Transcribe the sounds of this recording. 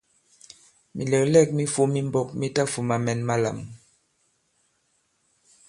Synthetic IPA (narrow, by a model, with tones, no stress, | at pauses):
mi˨lɛ˨klɛ˦˨k̚mi˦fu˦mi˦mbɔ˦k̚mi˦ta˦fu˨ma˨mɛ˨nma˦la̰˨m˨